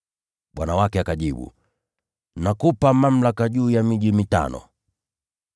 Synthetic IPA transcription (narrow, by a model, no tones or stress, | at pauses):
ɓwanawakɛakaʄiɓṵ | nakupamam̩lakaʄuːjamiʄimita̰nɔ̰